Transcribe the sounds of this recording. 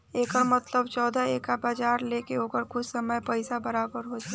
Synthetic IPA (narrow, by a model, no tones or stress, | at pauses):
eːkəɾmɐt̪ləbt͡ʃɔːd̪ʱaeːkabaːd͡ʒaːɾleːkeoːkəɾkʊt͡ʃʰsɐməjpəɪsabɐɾaːbəɾɦoːd͡ʒaː